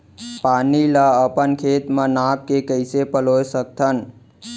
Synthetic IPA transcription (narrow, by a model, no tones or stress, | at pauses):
panilaəpənkʰet̪mãnak̚kekəjsepəlojsək̚t̪ʰən